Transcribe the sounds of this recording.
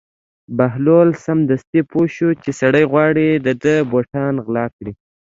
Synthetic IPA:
baɦlolsamd̪ast̪ipʰoʃut͡ʃesaɽəjɣwɑɽid̪əd̪əboʈɑnɣlɑkɽi

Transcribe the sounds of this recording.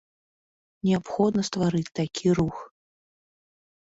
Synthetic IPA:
nʲɛapxɔd̪nɐst̪vaɾɨt͡sʲt̪akʲʰiɾux

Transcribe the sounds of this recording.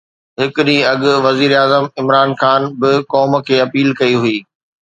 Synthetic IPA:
ɦɪkʊɗĩɐɠʊ̆ʋɐziːɾaːzəmɪmɾaːnxaːnbɪkɔːmkʰeːɐpiːlkɐiɦʊiː

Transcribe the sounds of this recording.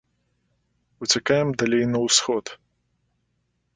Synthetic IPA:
ut͡sʲakajɛmd̪alʲɛjnɐwsxɔt̪

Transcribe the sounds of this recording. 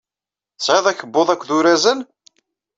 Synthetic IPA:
t͡sːʕeðˤæçəbːoðˤækʷːðuɾæzən

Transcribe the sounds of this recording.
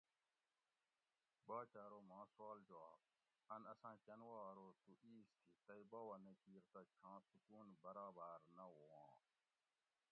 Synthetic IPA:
baːt͡ʃaːɾoːmãːswaːld͡ʒoaː | ənəsãːt͡ʃənwaːɾoːt̪uːʔiːst̪ʰiːt̪əibaːwaːnekiːɾt̪aːt͡ʃʰãːsʊkuːnbəɾaːbaːɾnɐɦoːãː

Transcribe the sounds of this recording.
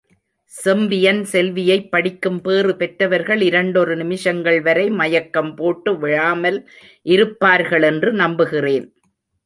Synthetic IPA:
sɛmʋɪjɐnsɛlʋɪjɐɪpːɐɽɪkːɯmpeːrɯpɛʈrɐʋɐɾɣɐɭɪɾɐɳɖɔrɯnɪmɪʂɐŋɡɐɭʋɐɾɐɪmɐjɐkːɐmpoːʈːɯʋɪɻaːmɐl | ʔɪɾɯpːaːɾɣɐɭɛndrɯnɐmbɯɣɪreːn

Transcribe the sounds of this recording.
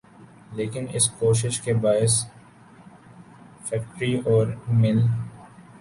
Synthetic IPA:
leːkɪnɪ̰skoːʃ̬ɪʃkebaːɪs | fɛːkʈɾiɔːɾmɪl

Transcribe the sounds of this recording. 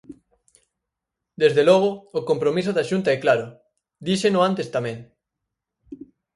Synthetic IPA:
d̪ezðelɔɣ̞oːkompɾomis̬ʊðaʃunt̪aɛklaɾʊ | d̪iʃenʊãnt̪est̪amɛ̃ŋ

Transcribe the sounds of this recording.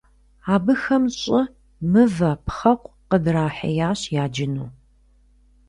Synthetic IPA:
aːbɨxɐmɕʼɪ | mɨvɐpχɐqʷʰʼ | qədraːħɐ̰jaːɕjaːd͡ʒɪnuː

